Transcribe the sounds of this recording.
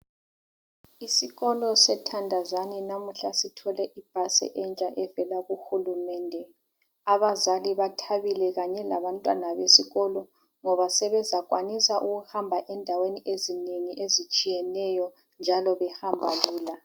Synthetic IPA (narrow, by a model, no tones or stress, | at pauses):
isiɣɔlɔsɛtʰandʱazanɛnamuɬasitʰɔlɛʔib̥ʱasɛ̰ʔɛnt͡ʃʼaʔɛvɛlaɣuxulumɛːndʱɛ | aβazaliβatʰaβilɛɣaɲɛla̰βantʼwa̰naβesiɣɔlɔ | ŋɔβasɛβɛzaɣʼwa̰nisaʔuɣuhambʱaʔɛndʱaweniʔezineŋiʔezit͡ʃʼijɛnɛjɔ | nd͡ʒʱalɔβɛhambʱaluːla